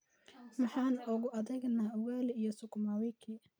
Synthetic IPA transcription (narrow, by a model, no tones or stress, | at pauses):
mɑħɑːnʊɣʊʔɐðɛɡnaʊwaːlɛijɔsʊkʊmawɛkʰiː